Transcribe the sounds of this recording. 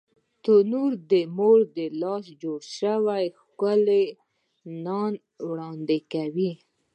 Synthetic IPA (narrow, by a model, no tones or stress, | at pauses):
t̪ʊnuɾd̪əmoɾd̪əlɑsd͡ʒoɽʃəwajxkəle | nɑn | wɽɑnd̪ɪkawi